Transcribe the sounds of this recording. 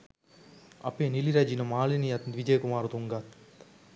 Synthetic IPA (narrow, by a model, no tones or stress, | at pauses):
ɐ̰pːeːniliɾɐd͡ʒinɐmaːlinijɐt̪nʋid͡ʒɐjkumaːɾut̪uŋɡat̪